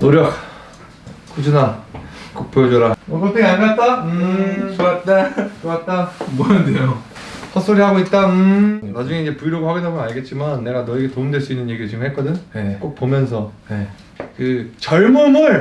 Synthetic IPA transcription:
noɾjʌk̚ | k͈ud͡ʑunakok̚pʰod͡ʑoɾawʌkotʰeɡeanɡat̚t͈aɯoat̚nakɯkat̚t͈amʌndejo | sʰʌs͈oɾiɦaɡoit̚t͈aɯnad͡ʑuŋeid͡ʑe̞puiɾoɡhwaɡinaɡoaɭɡe̞t̚t͡ɕ͈imanːe̞ɡanʌiɡe̞toɯmdwe̞ɭs͈uinːɯnje̞ɡidɯɭt͡ɕʰiŋɡɦet̚k͈ʌdɯɲek͈ok̚p͈omjʌns̬ʰʌe | kɯt͡ɕʌɭmʌmʌɭ

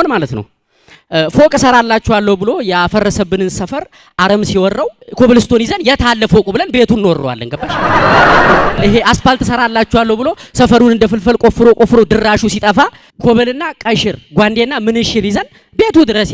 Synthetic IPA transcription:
onmalət̪nə̰w | fo̞kʼsəɾalːat͡ʃːɛwalːəhubɨlo̞jɛafəɾːəsəβɨnɨnsəfəɾ | ʔaɾəmsiwɔrːəwkʰo̞βəlɨst̪ʰo̞nizənjɛt̪ʰalːəfo̞kʼubɨlənbe̞t̪ʰunːwɔrːə̰wa̰lːə̰ŋɡəbːaʃ | ɨɦeʔaspalt̪ʰɨsəɾalːat͡ʃːɛwalːəwbɨlo̞səfəɾunɨnd̪əfɨlfəlkʼo̞fɨɾokʼo̞fɨɾod̪ɨrːaʃusit̪ʼəfa | kʰo̞βəlɨnːakʼəjʃɪɾɡʷand̪e̞nːamɨnɨʃɪɾizən | be̞t̪ʰud̪ɨɾəs

